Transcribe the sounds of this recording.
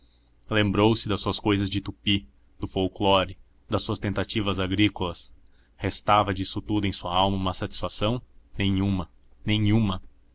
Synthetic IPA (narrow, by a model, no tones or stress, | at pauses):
lẽmbɾowsɪd̪ɐsuɐskojzɐzd͡ʒɪt̪upi | d̪̥ʊfowklɔɾɪ | d̪ɐsuɐst̪ẽnt̪at͡ʃivɐzaɡɾikolɐs | hest̪avɐd͡ʒisʊt̪ud̪ʊẽj̃suɐawmɐũmɐsat͡ʃi̥sfasɐ̃w̃nẽj̃ũmɐ | nẽjɲ̃ũmɐ